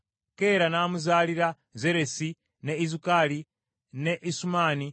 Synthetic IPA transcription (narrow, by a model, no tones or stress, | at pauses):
keɾanaːmuzaːliɾa | zeɾesi | neizukali | neʔisumaːni